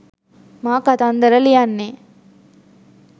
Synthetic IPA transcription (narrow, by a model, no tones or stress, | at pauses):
maːkat̪and̪ɐɾɐlijanːeː